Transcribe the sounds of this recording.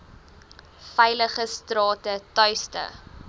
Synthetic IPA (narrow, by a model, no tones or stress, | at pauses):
fɛjləχəstrɑːtətœɥstə̰